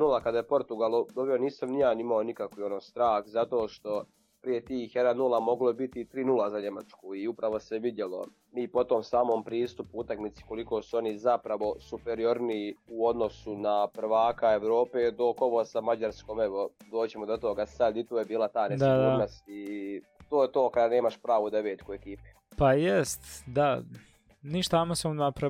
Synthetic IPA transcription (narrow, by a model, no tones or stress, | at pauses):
nulˠakad̪ajepo̞ɾt̪uɡalˠod̪obijoniːsamnijaːnimaonikakʋio̞noːst̪ɾaːxzat̪o̞ːʃt̪o̞ | pɾije̞t̪iːxjed̪annulˠamo̞ɡlobit̪it̪ɾiːnulˠazaɲe̞ma̰t͡ʃkuiupɾaʋo̞seʋid̪jelˠo̞̰ | miːpo̞t̪oːmsaːmo̞ːmpɾiːst̪upuut̪akmit̪si̥ko̞likoːsuo̞nizapɾaʋo̞supeɾio̞ɾniuo̞d̪no̞sunapr̩ʋaːkae̞ʋɾo̞ːpeːd̪o̞ko̞ʋosamad͡ʑaɾskoːmeʋod̪oːt͡ɕemod̪ot̪oɡasad̪it̪uːjebiːlˠat̪aːnesd̪ad̪amasit̪oːjet̪oːkad̪ane̞ːmaʃpɾaːʋuːd̪aʋeːt̪kuekiːpi̥ | pajest̪d̪a | niʃt̪aamosamnapɾa